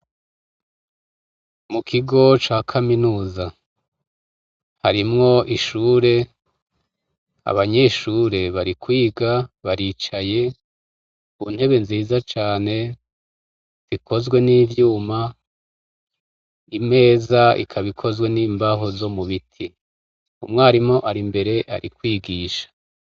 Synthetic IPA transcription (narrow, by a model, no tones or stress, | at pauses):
mukʰiɡo̞t͡ʃaːkʰaminuːza | haɾimŋo̞ʔiʃuːɾe̞ | a̰βaɲe̞ʃuːɾe̞βaɾikwiːɡaβaɾiːt͡ʃaje̞ | un̥he̞βe̞nziːzat͡ʃaːne̞ | z̥ikʰo̞zɡwe̞niːvjuːma | ime̞ːzaḭkʰaβikʰo̞zwe̞niːmbaɦo̞zo̞muβitʰi | umŋaaɾimŋo̞ʔaɾimbe̞ɾe̞ʔa̰ɾʔikwiːɡiːʃḁ